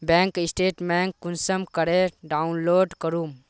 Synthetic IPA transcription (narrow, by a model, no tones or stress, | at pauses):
bɛ̃ŋkisʈeːʈmɛŋkːunsəmkəɾeɖaunloːɖkəɾum